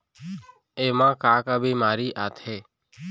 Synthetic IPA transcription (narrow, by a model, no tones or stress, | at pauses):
eːmãːkaːkaːbʱiːmaːɾiːʔaːt̪ʰɦeː